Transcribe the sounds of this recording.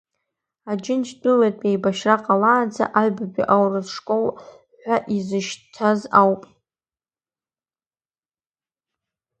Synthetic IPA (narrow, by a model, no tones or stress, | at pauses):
ad͡ʒɪnt͡ʃʰdʼɨletʼejbaʃraqʼalaːd͡za̰ʔaɥbabʲḭʔawrɨzʂkʼol | ħʷᶣaʔizɨʃtʰazawpʼ